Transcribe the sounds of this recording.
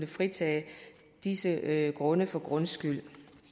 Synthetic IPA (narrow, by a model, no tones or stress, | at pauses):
nəfʁit͡sʰɛ̰ː | d̥isəɡ̥ʁɔ̽nəfɒ̽ɡ̥ʁɔ̽nsɡ̥yl̰